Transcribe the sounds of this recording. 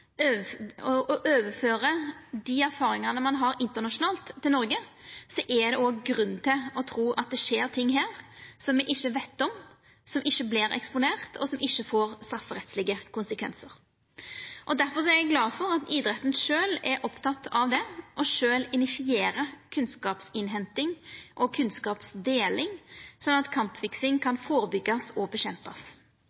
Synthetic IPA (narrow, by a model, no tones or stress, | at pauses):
øɔɔʔøːʋəføːɾəd̪iæɾfɑːɾɪŋənəmɑnɦɑɾɪnt̪ənɑʂʊnɑːlt̪ʰːɪlnɔɾɡəsɔʔɛd̪ɛoːɡɡɾʉnːt̪ʰɪlɔt̪ʰɾuːʔɑt̪̚d̪ɛʂeːɾt̪ʰɪŋːɦæːɾsɔmʋɛʔɪçːəʋeɪt̪ːɔm | sɔmʔɪçːəblɪɾɛ̰kspʊneːʁt̪ʰɔ̰sɔmɪçːəfoːɾst̪ɾɑfːəɾɛt̪slɪɡəkʊnsəkʰʋɛ̰nsəɾ | ʔɔd̪æɾfɔʁs̬ɔɛɾɛɡlɑːfɔɾɑt̪iːd̪ɾɛt̪ːn̩ʂøːlɛɾʔɔpt̪ʰɑt̪ʰːɑʋd̪ɛʔɔʂøːlɪnɪsɪeːɾəkʰʉnskɑːpsɪnɦɛnt̪ɪŋʔɔkʰʉnskɑːpsd̪eːlɪŋsɔnːɑt̪kʰɑmpfɪksɪŋkʰɑnfoːɾəbʏɡːɑsɔbəɕɛmpɑs